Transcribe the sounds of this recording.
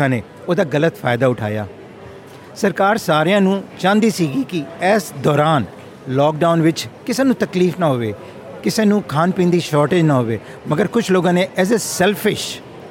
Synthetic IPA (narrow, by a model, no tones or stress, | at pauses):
ãːneː | oːd̪aːɡələt̪pʰaːɪd̪aːʊʈʰa̰ːja̰ː | səɾkaːɾsaːɾejãːnũːt͡ʃãːnd̪iːsiːɡiːkɪɛːsd̪ɔːɾaːn | lɔːk̚ɖaːʊnʋɪt͡ʃkɪseːnũːt̪əkliːfnaːɦoːʋeː | kɪseːnũːkʰaːnpĩːnd̪iːʃɔːɾʈeːd͡ʒnaːɦoːʋeː | məɡəɾkʊt͡ʃʰloːɡãːneːʔɛːzesɛːlpʰɪʃ